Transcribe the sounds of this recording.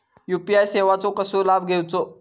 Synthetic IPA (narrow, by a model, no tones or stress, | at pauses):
jupiajseʋat͡sokəsuːɾlabʱɡʱewt͡so